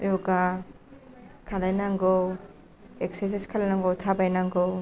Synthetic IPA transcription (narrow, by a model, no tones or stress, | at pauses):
joɡa | kʰalajnaŋɡow | ekses̬iskʰalajnaŋɡowtʰabajnaŋɡow